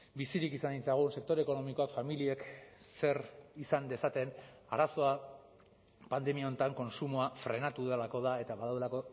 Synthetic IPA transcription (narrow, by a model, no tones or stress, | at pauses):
bisiɾikisand̪int͡saɣ̞unse̞k̚t̪o̞ɾe̞ko̞no̞miko̞akfamilie̞k | se̞ɾisand̪e̞sat̪e̞naɾaso̞a | pand̪e̞miao̞nt̪aŋko̞nsumoafɾe̞nat̪uðelako̞ð̞ae̞t̪aβaðawelako̞